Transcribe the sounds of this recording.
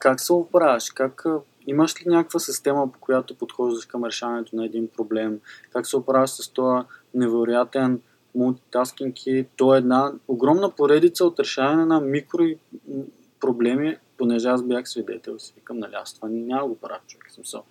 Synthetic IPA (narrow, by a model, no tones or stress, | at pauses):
kaksɛopɾavɛʃkak | iməʃlinʲjakəkvəsist̪ɛmɐpo̥kojat̪opot̪xɔʒd̪ɐʃkɐmɾɛʃavɐnɛt̪onɐɛd̪inpɾoblɛmkaksɛopɾavɛʃsɐst̪ɔənɛvɛɾojat̪ɛn | mulˠt̪it̪askʲiŋkʰit̪ɔɛːd̪naoɡɾɔmnəpoɾɛd̪it̪səot̪ɾɛʃavɐnɛnɐmikɾoi | pɾoblɛmiponɛʒɛasbʲjaxsvid̪ɛ̰t̪ɛlˠsivikəmnɐlʲia̰st̪vɐninʲaməɡopɾa̰ft͡ʃʊɛksmi̥sə̰lˠ